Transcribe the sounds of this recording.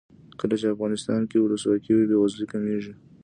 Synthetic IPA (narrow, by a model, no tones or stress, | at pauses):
kəlat͡ʃeafɣɑnɪst̪ɑnkewʊləswɑkiwebewazlikameʒi